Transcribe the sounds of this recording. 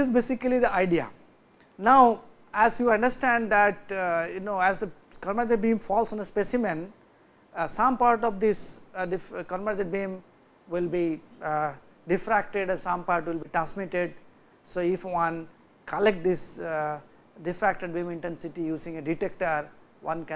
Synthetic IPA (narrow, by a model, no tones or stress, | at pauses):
dɪzbesikəlid̪iaɪɖia̰ | naʊ | æzjuɐ̃ɳɖəɾsʈæ̃ɳɖd̪æʈ̚junoːæzd̪əkɔɾmɾat̪̬eɖ̚bĩːmfɔːlsɔ̃nəspesɪmɛ̃n | sʌ̃mpaːɾʈɔʋd̪ɪsɖɪfkɔɾmɾat̪eɖ̚bĩːm | ʋɪlbi | ɖɪfɾæk̚ʈeɖɛ̃nsʌ̃mpaːɾʈʋɪlbiʈasmiʈeɖ̚ | soːɪfʋʌ̃n | kəlek̚ʈ̚d̪ɪs | ɖɪfɾæk̚ʈeɖbĩːmɪ̃ɳʈɛ̃nsɪʈijuːzɪ̃ŋeɖiʈek̚ʈəɾ | ʋʌ̃nkɛ̃